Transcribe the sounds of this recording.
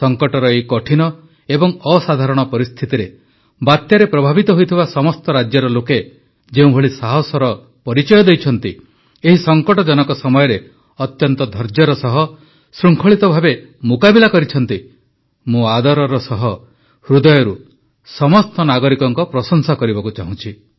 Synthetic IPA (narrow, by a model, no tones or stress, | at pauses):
sɔŋkɔʈɔɾɔekɔʈʰinɔ | ebɔŋɔsad̪ʱaɾɔɽ̃ɔpɔɾist̪ʰit̪iɾe | bat̪jaɾepɾɔbʱabit̪ɔɦojt̪ʰibasɔmɔst̪ɔɾad͡ʒjɔɾɔloke | d͡ʒeũbʱoɭisaɦɔsɔɾɔ | pɔɾit͡ʃɔjɔd̪ejt͡ʃʰɔnt̪i | eɦisɔŋkɔʈɔd͡ʒɔnɔkɔsɔmɔjɔɾe | ɔt̪jɔnt̪ɔd̪ʱɔɾd͡ʒjɔɾɔsɔɦɔ | sɾuŋkʰɔɭit̪ɔbʱabe | mukabilakɔɾit͡ʃʰɔn̪t̪i | mũad̪ɔɾɔɾɔsɔɦɔ | hɾud̪ɔjɔɾu | sɔmɔst̪ɔnaɡɔɾikɔŋkɔpɾɔsɔŋsakɔɾibɔkut͡ʃaɦũt͡ʃʰi